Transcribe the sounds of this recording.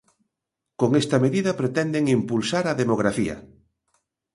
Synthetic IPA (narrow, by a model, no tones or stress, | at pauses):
koŋest̪ɐmeðiðɐpɾet̪ɛnd̪eŋimpulsaɾɐðemoɣɾafiɐ̰